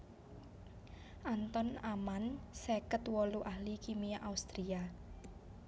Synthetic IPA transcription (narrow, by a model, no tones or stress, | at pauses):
ʔant̪ɔnamansɛkət̪wɔluʔahlikimiʔaust̪ɾia